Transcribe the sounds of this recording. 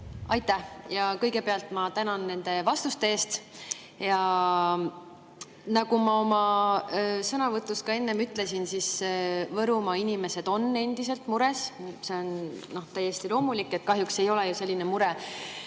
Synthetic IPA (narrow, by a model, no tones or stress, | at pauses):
ɑjt̪ːæhjɑkɤjɡ̥e̞peɑlt̪ˑmɑt̪ænɑnːe̞nd̪̥e̞vɑst̪ust̪e̞eːst̪ | jɑ | nɑɡ̥umɑo̞mɑ | sɤnɑvɤt̪ːˑuskɑe̞nːemyt̪ˑle̞sinsisvɤɾumɑinime̞se̞d̪̥o̞nːe̞nd̪ise̞lt̪muɾe̞sse̞o̞nno̞ht̪æjːe̞st̪ilo̞ːmulikːˑe̞t̪̚kɑɦjukse̞jo̞lejuse̞lʲːinemuɾɛ